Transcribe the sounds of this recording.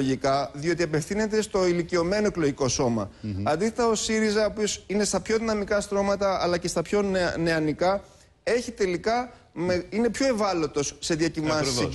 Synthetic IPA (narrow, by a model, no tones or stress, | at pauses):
oʝikɐðio̞t̪iɐpe̞fθine̞t̪e̞st̪o̞ilicio̞me̞noekloʝiko̞so̞mɐ̰ɐnd̪isθet̪ɐosiɾizɐoːpio̞sine̞st̪ɐpço̞ðinɐmikɐst̪ɾo̞mɐt̪ɐɐlɐce̞st̪ɐpço̞nne̞ɐnikɐ | e̞çit̪e̞likɐ | meine̞pço̞e̞vɐlo̞t̪o̞sːe̞ðiɐcivɐsi